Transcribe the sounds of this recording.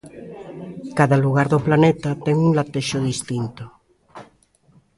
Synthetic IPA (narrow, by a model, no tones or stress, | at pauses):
kaðaluɣ̞aɾðoplanet̪at̪ɛŋuŋlat̪eʃoð̞ist̪int̪o